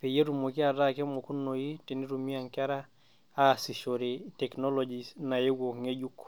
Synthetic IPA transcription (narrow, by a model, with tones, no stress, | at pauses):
pe˨je˦ɾu˨mo˨kɪ˦a˨ɾa˦ke˦mo˨ku˦no˨ji˦ti˨ni˦ɾu˨mi˦a˨ŋkɛ˦ɾa˦ | a˦˨si˨ʃo˨ɾɪ˨tɛ˨knɔ˦lɔ˨d͡ʒi˨sna˨je˦ɡwo˨kŋe˦d͡ʒu˦k